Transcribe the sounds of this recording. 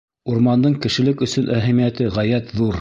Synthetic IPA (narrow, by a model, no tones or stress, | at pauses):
uɾmɑnd̪ɤɴkɘ̆ʃɘ̆lɘkɵ̆sɵnʔæɦæmijæt̪ɘʁæjæt̪ðuɾ